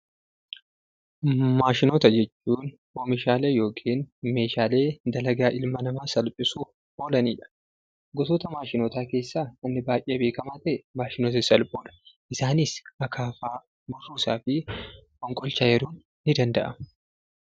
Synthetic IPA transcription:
maːʃɪnoːt̪ɐd͡ʒɛt͡ʃːuːn | ʔoːmɪʃaːleːjo̞ːkʰeːnme̞ːʃaːleːd̪ɐlɐɡaːʔɪlmɐnɐmaːsɐlpʼɪsu | ʔo̞ːlɐniːᶑɐ̥ | ɡɔt̪oːt̪ɐmaːʃɪnoːt̪aːke̞ːsːaːnɐnːɪbaːjʔeːɐbeːkɐmaːt̪ɐʔɛmaːʃɪnoːt̪ɪsɐlpʼoːᶑɐ̥ʔɪsaːnɪsɐkʰaːfaː | bʊrːuːsaːfɪkʼɔŋkʼɔlt͡ʃaːjɛɾuːnːɪd̪ɐnd̪ɐʔɐ

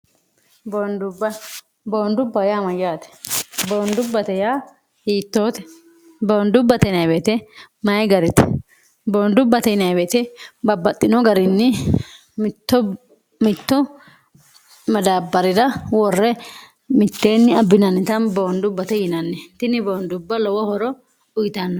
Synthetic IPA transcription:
bond̪ʊbɐ | boːnd̪ʊbːɐjaːmɐjːaːt̪ɛ̥boːnd̪ʊbːɐt̪ɛjaː | hiːt̪ːo̞ːt̪ɛ̥ | boːnd̪ʊbːɐt̪ɛnɐjbeːt̪ɛmɐjɡɐɾɪt̪ɛ̥ | boːnd̪ʊbːɐt̪ɛjɪnɐjbeːt̪ɛbɐbːɐt̪ʼːɪnɔɡɐɾɪnːɪ | mt̪ːɔ | mɪt̪ːɔ | mɐd̪abːɐɾɪd̪ɐwɔrːɛ | mɪt̪ːe̞ːnːɪɐbːɪnɐnːɪt̪ɐnbo̞ːnd̪ʊbːɐt̪ɛjɪnɐnːɛt̪ɪnɪbo̞ːnd̪ʊbːɐlɔwɔhɔɾɔ | ʊjɪt̪ɐnːɔ

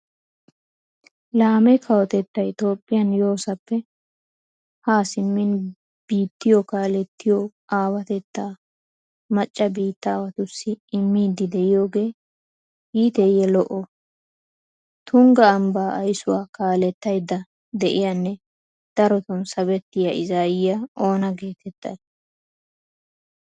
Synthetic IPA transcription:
laːmɛkʰɐwɔt̪ɛt̪ːɐjt̪o̞ːpʼːɪjɐnjo̞ːsɐpːɛ | haːsɪmːɪn | b̥iːt̪ːɪjɔkaːlɛt̪ːɪjɔ | ʔaːwɐt̪ɛt̪ːaː | mɐt͡ʃʼːɐbiːt̪ːaːwɐt̪ʊsːɪɪmːiːd̪ɪd̪ɛɪjo̞ːɡe̞ː | hiːt̪ɛjɛlɔʔɔ | t̪ʰʊŋɡɐːmbaːʔɐjsʊwaːkaːlɛt̪ːɐjd̪ːɐ | d̪ɛʔɪjanːɛ | d̪̥ɐɾɔt̪ɔnsɐβɛt̪ːɪjɐɪzaːjɪjao̞ːnɐɡe̞ːt̪ɛt̪ːɐ̰j

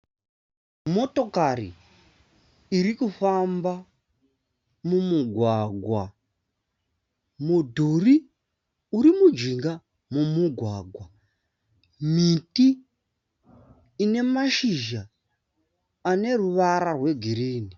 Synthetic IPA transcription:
mo̞tokarḭ | ɾikufamba | mumuɡʱwaɡʱwa | mudʱuri | uɾimud͡ʒiŋɡa | mumuɡʱwaɡʱwa | miti | ne̞maʃiʒa | ne̞ruʋaɾarwe̞ɡʱiɾiːni

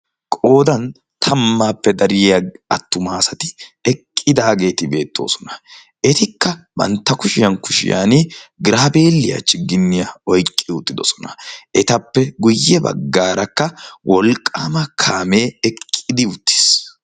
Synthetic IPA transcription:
kʼo̞ːd̪ɐn | t̪ʰɐmːaːpːɛd̪ɐɾɪjɐɐt̪ːʊmaːsɐt̪ɪɛkʼːɪd̪aːɡe̞ːt̪ɪbe̞ːt̪ʰːo̞̰ːsɔnɐ̥ | ʔɛt̪ɪkːɐbɐ̰nt̪ːɐkʊʃɪjɐnkʊʃɪ̰ja̰ːnɪɡɾaːbe̞ːlːɪjɐ̰t͡ʃːɪɡːɪnːɪjɐɔjkʼːɪʊt̪ːɪd̪ɔsɔ̥nɐ̥ʔɛt̪ɐpːɛɡʊjːɛbɐ̰ɡːaːɾɐkːɐwʔɔlkʼːaːmɐkʰaːmeːɛkʼːɪd̪ɪʊt̪ːɪ̥s

